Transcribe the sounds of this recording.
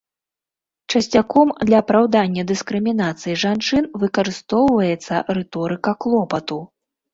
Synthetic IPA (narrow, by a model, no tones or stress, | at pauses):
t͡ʂɐsʲt͡sʲakɔmd̪lʲɐːpɾawd̪anʲːɐd̪ɨskɾɨmʲinat̪sɨjiʐant͡ʂɨnvɨkɐɾɨst̪ɔwvɐjɛt̪sːɐrɛt̪ɔɾɨkɐklˠɔpɐt̪u